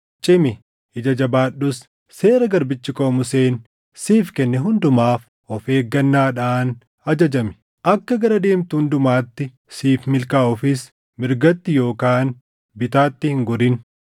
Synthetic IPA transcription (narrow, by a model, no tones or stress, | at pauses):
t͡ʃʼɪmɪ | ɪd͡ʒɐd͡ʒɐbaːɗːʊs | se̞ːɾɐɡɐɾbɪt͡ʃːɪkʼoːmʊse̞ːn | siːfkɛnːɛɦʊnd̪ʊmaːf | ɔfe̞ːɡːɐnːaːᶑaːn | ɐd͡ʒɐd͡ʒɐmɪ̥ | ʔɐkːɐɡɐɾɐd̪e̞ːmt̪uʊnd̪ʊmaːt̪ːɪ | siːfmɪlkaːɔfɪs | mɪɾɡɐt̪ːɪjo̞ːkaːn | bɪt̪aːt̪ːɪhɪŋɡɔɾɪn